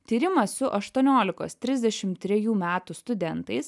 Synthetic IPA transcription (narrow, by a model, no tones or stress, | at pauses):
t̪ʲiːɾʲɪmɐssʊʔɐʃt̪uɔnʲoːlʲɪkoːst̪ʲɾʲɪzʲd̪ʲɛʃʲɪmt̪ʲːɾʲɛjuːmʲæːt̪ʊst̪ʊd̪ʲɛnt̪ɐɪs